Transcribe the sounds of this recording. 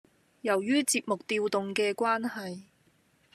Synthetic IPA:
jɐ˨˩wjyː˥t͡siː˧p̚mʊ˨k̚t̪iː˧wt̪ʊ˨ŋkɛː˧kʷaː˥nhɐ˨j

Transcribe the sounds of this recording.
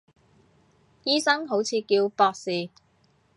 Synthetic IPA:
jiː˥sɐ˥ŋɦo˨˥wt͡sʰiː˨˧kiː˧wpɔː˧k̚siː˨˩

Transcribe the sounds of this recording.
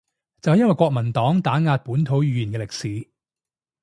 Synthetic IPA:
t͡sɐ˨whɐ˨jɐ˥wɐ˨jkwɔː˧k̚mɐ˨˩nt̪ɔː˨˥ŋt̪aː˨˥ŋaː˧t̚puː˨˥nt̪ʰo˨˥wjyː˨˧ji˨˩nkɛ˧lɪ˨k̚siː˨˧˦

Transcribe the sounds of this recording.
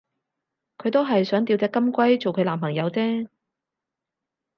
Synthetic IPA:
kʰɵ˨˧ɥt̪o˥wɦɐ˨jsœː˨˥ŋt̪i˧wt͡sɛː˧˥kːɐ˥mkʷɐ˥jt͡so˨wkʰɵ˨˧ɥlaː˨˩mpʰɐ˨˩ŋjɐ˨˧wt͡sɛː˥

